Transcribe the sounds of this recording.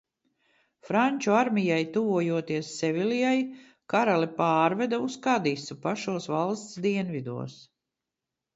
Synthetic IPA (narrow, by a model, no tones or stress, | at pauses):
fɾanʲt͡ʃuaɾmʲijajt̪uvuɔjuɔt̪iɛsːɛvʲilijaj | kaɾalɛpaːɾvɛd̪auskad̪isupaʃuɔsvalˠst̪sd̪iɛnvid̪ṵɔs